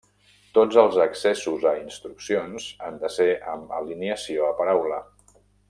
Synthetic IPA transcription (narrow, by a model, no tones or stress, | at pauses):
t̪od͡zəlˠzəksɛsuzəinst̪ɾuksionz̥and̪əseʔə̰mə̰liniəsioəpəɾawlə